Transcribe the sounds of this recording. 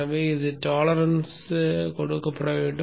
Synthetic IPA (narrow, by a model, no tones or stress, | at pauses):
ɐʋeːɪðɯʈaːlɐɾɐns | kɔɽɯkːɐpːɐɽɐʋeːɳɖɯ